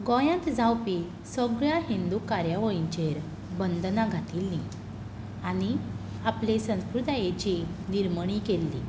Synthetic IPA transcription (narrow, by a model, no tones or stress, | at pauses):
ɡɔ̃jãnt̪d͡zãwpi | səɡɭjaɦind̪ukaɾjaʋəɭiɲt͡ɕeɾ | bənd̪naɡʱat̪iːlːĩ | añi | aplesə̃nkuɾd̪ajet͡ɕiniɾməɽ̃ikelːi